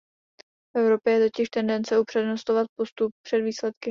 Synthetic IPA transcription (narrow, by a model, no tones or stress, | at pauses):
fʔɛvɾo̞pjɛjɛt̪o̞cɪʃt̪ɛndɛnt͡sɛupr̥ɛdno̞st̪ovat̪̚po̞st̪up̚pr̝̥ɛdviːslɛt̪kɪ